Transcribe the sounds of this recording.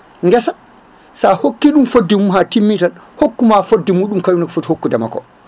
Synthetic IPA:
ŋɡɛsa | sahokːiɗumfodːimumɦatimːitanhokːumafodːimuːɗumkajunakfothokːudama̰kɔ̰

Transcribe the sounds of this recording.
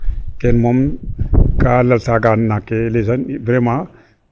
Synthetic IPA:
kenmom | kalɐlsaɡannakːelesanbɾema

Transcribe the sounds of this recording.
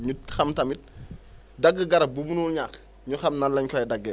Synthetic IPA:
ɲuxɐmtɐmit̚ | dɐɡːəɡɐɾɐbubunulɲak | ɲuxɐmnɐlːɐɲkɔɛdɐɡːɛ

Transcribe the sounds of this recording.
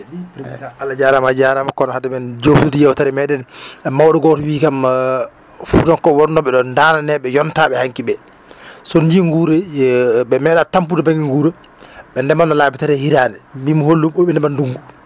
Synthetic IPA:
ɛdipɾitikaʔalːad͡ʒaɾamad͡ʒaɾamakɔnɔhadɛmɛnd͡ʒowsutijɛwtaɾɛmɛɗɛnmawɗɔɡɔtɔwiːkam | fudɔnkɔwɔnɔɓɛɗɔndaːnanɛɓɛjɔntaɓɛhaŋkiɓɛ | sɔndiŋɡuɾɛɓɛmɛɗatamp̬udɛbaŋɡiŋɡuːɾɛ | ɓɛndɛmanɔlaːbitaɾɛhiɾaːnɛbimɔholːumɓɔɓɛnɛmanduŋɡu

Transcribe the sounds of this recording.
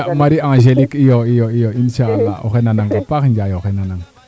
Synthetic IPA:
maɾiãŋʒelikijoijoijoinʃaalːa̰o̰xenanaŋɡapaxnd͡ʒajoxenanaŋ

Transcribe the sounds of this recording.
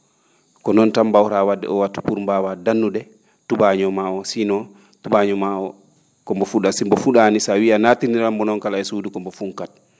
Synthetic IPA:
kɔnɔntambawɾawadːɛ̰ɔwatːu̥puɾmbawadanːuɗɛ | tuɓaɲɔmaɔsinɔ | tuɓaɲɔmaɔ | kɔmbɔfuɗasimbɔfuɗanisawianatiniɾambɔnɔnkalaɛsudukɔmbɔfuŋkat̚

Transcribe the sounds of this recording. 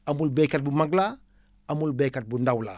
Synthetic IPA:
amulbekat̚bumaɡla | amulbekat̚bundawla̰

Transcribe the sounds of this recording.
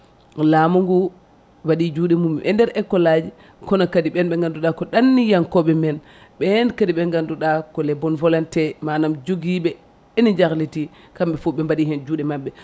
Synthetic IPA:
lamuŋɡu | waɗid͡ʒuːɗɛmumːɛʔɛndɛɾɛkːɔlad͡ʒi | kɔnakadiɓɛnɓɛŋɡanduɗakɔɗanːijaŋkɔɓɛmɛn | ɓɛnkadiɓɛŋɡanduɗakɔlɛbɔnvɔlantɛmanamd͡ʒoɡiɓɛ | enid͡ʒaɾleti | kamɓɛfuɓɛmbaɗiɦɛnd͡ʒuːɗɛmaɓːɛ

